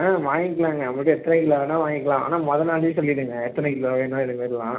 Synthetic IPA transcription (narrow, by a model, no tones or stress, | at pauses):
aːʋaːŋɡɪkːɐɭaːŋɡɐɐpːɐʈːɯɛt̪ːɐnɛkɪlːɐːʋenːãːʋaːŋɡɪkːɐlãːʔaːnaːmɔðɐnaːlɯsɔlːɪɽɯŋɡɐɛt̪ːɐnɐkɪloʋeːnːãːɪɽɯmɐːɾɯlãː